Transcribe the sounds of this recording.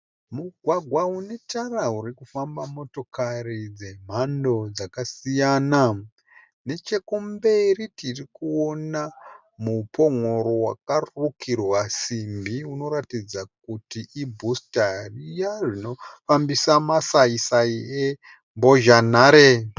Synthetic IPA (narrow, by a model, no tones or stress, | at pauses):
muɡʱwaɡʱwaune̞tarauɾikufambamo̞to̞karid͡ze̞m̤ando̞d͡zakasijana | ne̞t͡ʃe̞kumberitirikuo̞na | mupo̞ŋoɾo̞wa̰karukʰirwasimbiuno̞ɾatid͡zak̚utiʔibʱustarijaʐino̞fambisamasaisaie | mbo̞ʒanaːɾe